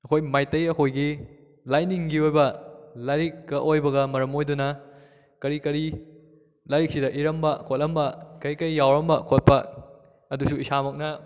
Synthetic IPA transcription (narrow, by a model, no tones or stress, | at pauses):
ɐkʰojmajtɐjɐkʰojɡi | lajniŋɡiojbɐlaɾik̚ɡɐʔojbɐɡɐmɐɾɐmojdunɐ | kɐɾikɐɾi | laɾik̚sidɐʔiɾɐmbɐkʰot̚lɐmbɐkɐjkɐjːawɾɐmbɐkʰot̚pɐ | ɐdusuisamɐk̚nɐ